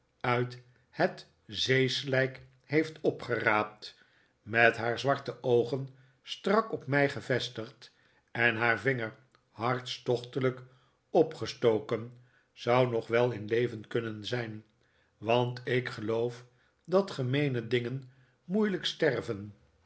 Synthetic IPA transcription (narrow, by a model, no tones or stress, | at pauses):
œɥt | hət | zejslɛjk | hejftɔpχəraːp̚t | mɛtɦaːɹzʋɑɹtəʔowχən | strɑkɔpmɛjχəvɛstəχt | ɛnɦaːɹvɪŋəɹ | hɑɹtstɔχtələk | ɔpχəstowkən | z̥ɑwnɔχʋɛlˠɪnlejvənkɵnənzɛjn | ʋɑntɪkχəlowf | dɑtχəmejnədɪŋən | mujləkstɛrvən